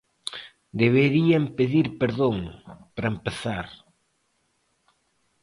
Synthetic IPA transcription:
d̪eβeɾiɐmpeðiɾpeɾðoŋpɾɐempeθaɾ

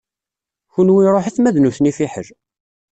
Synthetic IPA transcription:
çunwiɾˤoħiθmæðnuθnifiħə̰l

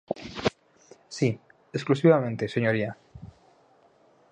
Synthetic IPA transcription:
si | esklusiβamẽ̞nt̪eseɲoɾia

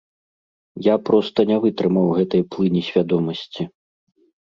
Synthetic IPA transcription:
japɾɔst̪ɐnʲɛvɨt̪ɾɨmɐwɣɛt̪ɐjplˠɨnʲisʲvʲad̪ɔmɐsʲt͡sʲi

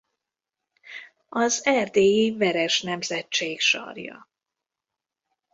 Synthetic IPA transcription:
ɒzɛrd̪eːjivɛɾɛʃnɛmzɛt͡ʃːeːkʃɒ̰rjɒ̰

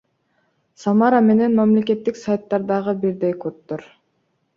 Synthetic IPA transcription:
sɑmɑɾame̞ne̞nmamle̞ke̞t̪ːiksajt̪ːɑɾd̪ɑʁɯbiɾd̪ejkot̪ːoɾ

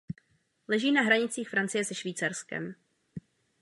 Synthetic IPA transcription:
lɛʒiːnaɦɾaɲɪt͡siːxfɾant͡sɪjɛsɛʃviːt͡saɾskɛ̰m

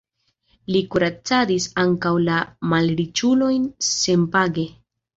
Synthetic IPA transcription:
likuɾat͡sadisaŋkawlamalɾit͡ʃulo̞jnse̞mpaɡe̞

